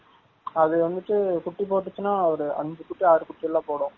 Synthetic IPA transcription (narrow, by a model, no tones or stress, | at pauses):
ɐðɯʋɐnd̪ɯʈːɯkʊʈːipoːʈ̬ːɯt͡ʃːɯnaːɐʋɐɾɯɐ̰ɲd͡ʒɯkʊʈːiaːɾɯkʊʈːijɛlːãːpoːɽʊ̃